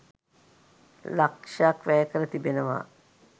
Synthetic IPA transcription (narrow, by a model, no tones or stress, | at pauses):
lakʂaːkʋæːkəɾət̪ibenəʋa̰